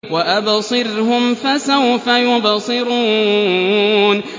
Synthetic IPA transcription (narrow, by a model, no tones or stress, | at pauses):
waʔabsˤɨɾhʊmfasawfajʊbsˤɨɾuː | n